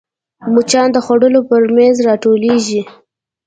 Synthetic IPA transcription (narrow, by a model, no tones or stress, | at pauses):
mut͡ʃɑnd̪əxwaɽəlopəɾmanzɾɑʈoleʒi